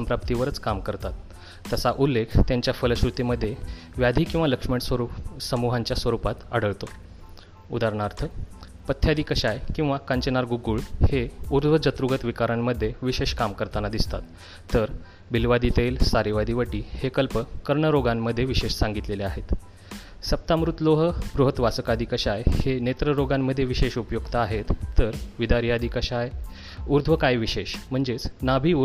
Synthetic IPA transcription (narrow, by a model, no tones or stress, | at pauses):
mpɾap̚t̪iʋəɾət͡skamkəɾt̪at̪ː | əsaʔulːekʰt̪jaɲt͡ɕjafələɕɾut̪iməd̪ʱːje | ʋjad̪ʱiːkĩw̃ʋaləkʂmeʈsɾusəmuɦaɲt͡ɕjasʋəɾupat̪a̰ɽ̤əɭt̪o | ṵd̪aɾɳaɾt̪ʰə | pət̪ʰjad̪iːkəɕajkĩw̃ʋakəɲt͡ɕənaɾɡuɡuɭheuɾd̪ʋəd͡ʑət̪ɾuɡət̪ʋikaɾəɳməd̪ʱːjeʋiɕeɕkamkəɾt̪anad̪ist̪at̪ː | əɾ | bilʋad̪it̪elsaɾiʋad̪iːʋəʈiːhekəlpəkəɾɳəɾoɡamːəd̪ʱːjeʋiɕeɕsãŋɡit̪leleaɦet̪ | səp̚t̪amɾut̪loɦəbɾuɦət̪ʋasəkad̪ʱikəɕajhenet̪ɾəɾoɡamːəd̪ʱːjeʋiɕeɕupjoɡt̪aaɦet̪ːəɾʋid̪aɾijad̪iːkəɕaj | uɾd̪ʱʋəkaiʋiɕeɕm̤əɳd͡zet͡snabʱiu